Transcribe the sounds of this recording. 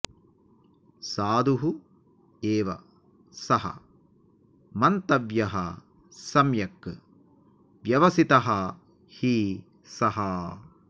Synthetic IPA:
saːd̪ʱuɦu | eːʋɐ̰ | sɐɦɐ̰ | mɐnt̪ɐʋjɐɦɐ̰ | sɐmjɐkː | ʋjɐʋɐsit̪ɐɦɐ | hiː | sɐɦɐ

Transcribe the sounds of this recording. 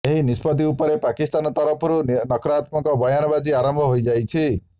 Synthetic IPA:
eɦinispɔt̪̬iupɔɾepakist̪anɔt̪ɔɾɔpʰɔɾunɔkɾat̪mɔkɔbɔjanɔbad͡ʒiaɾɔmbʱɔɦojd͡ʒajt͡ʃʰi

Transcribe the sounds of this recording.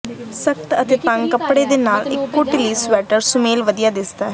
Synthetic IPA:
səkt̪ət̪eːt̪ə̃ŋɡkəpɽeːd̪eːnaːlɪ̰kːoːʈɪliːsʋɛːʈəɾsʊmeːlʋəd̪ijaːd̪ɪsd̪aː

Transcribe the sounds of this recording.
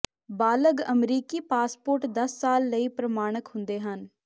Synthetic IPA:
baːləɡəmɾiːkiːpaːspoːɾʈd̪əsːaːlːəiːpɾəmaːɽ̃əkhʊ̃nd̪eːɦən

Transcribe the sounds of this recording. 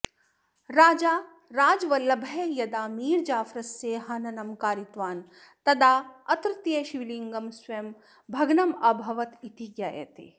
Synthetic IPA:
ɾaːd͡ʒaː | ɾaːd͡ʒʋɐlːɐbʱɐejɐd̪aːmiːɾd͡ʒaːfɾɐseːɦɐnɐnɐmkaːɾit̪ʋaːn | t̪ɐd̪aːɐt̪ɾɨt̪jeʃiʋiliŋɡɐmsʋɐjm | bʱɐɡnɐmɐbʱɐʋɐt̪it̪iɡjajḛt̪ḛː

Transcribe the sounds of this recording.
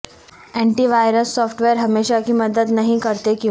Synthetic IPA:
eɳʈiːʋajɾəsːɔfʰʈʋeəɾɦəmeɕakiːməd̪ət̪nəɦĩkəɾt̪ekĩ

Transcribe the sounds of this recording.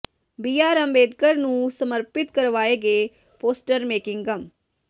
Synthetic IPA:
biːaːɾəmbeːd̪kəɾnũːsəməɾpɪt̪kəɾʋaːeːɡeː | poːsʈəɾmeːkɪŋɡəm

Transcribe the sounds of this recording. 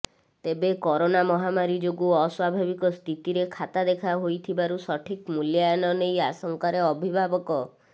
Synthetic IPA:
t̪ebekɔɾonamɔɦamaɾid͡ʒoɡuɔswabʱabikɔst̪ʰit̪iɾekʰat̪ad̪ekʰaɦojt̪ʰibaɾusɔʈʰikmuljanɔnejasɔŋkaɾeɔbʱibʱabɔkɔ

